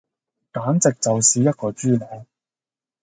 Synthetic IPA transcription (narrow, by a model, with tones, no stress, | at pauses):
kaː˨˥nt͡sɪ˨k̚t͡sɐ˨wsiː˨jɐ˥t̚kɔː˧t͡ʃyː˥lɔ˨˥w